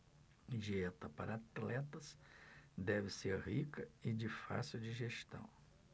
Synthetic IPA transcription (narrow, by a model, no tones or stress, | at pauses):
ʒiɛt̪ɐpa̰ɾɐat̪lɛt̪ɐs | d̪ɛvɪseɾhikɐɪd͡ʒɪfa̰siwd͡ʒiʒest̪ɐ̰̃w̃